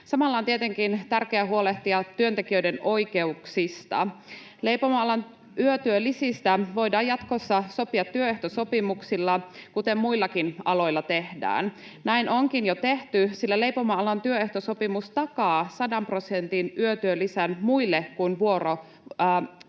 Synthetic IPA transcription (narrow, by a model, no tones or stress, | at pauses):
sɑmɑlːɑːnt̪iet̪eŋkint̪ærkeæɦuole̞ht̪iɑt̪ːyønt̪e̞kiøideno̞jke̞uksist̪ɑ̰ | le̞jpomɑɑlɑn | ʔyøt̪yølːisist̪æʋo̞jdɑːjɑt̪kosːɑso̞piɑt̪ːyøeht̪osopimuksilːɑkut̪emːmuilːɑkinɑlo̞jlːɑt̪e̞hdæ̰ːn | næinʔoŋkinjot̪e̞ht̪ysilːæle̞jpo̞mɑɑlɑnt̪yøeht̪oso̞pimust̪ɑkɑːsɑdɑmpro̞sent̪inyøt̪yølːisænmuilːekkunʋuo̞ro